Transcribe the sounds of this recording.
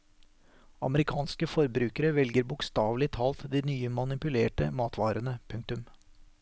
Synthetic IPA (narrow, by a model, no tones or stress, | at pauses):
ɑ̰məɾɪkʰɑːnskəfɔɾbɾʉːkəɾəʋɛlɡəɾbʊkst̪ɑːʋlɪt̪ʰɑːlt̪d̪iːnyːəmɑnɪpʉleːʈəmɑːt̪ʰʋɑːɾənəpʰʉŋk̚t̪ʉm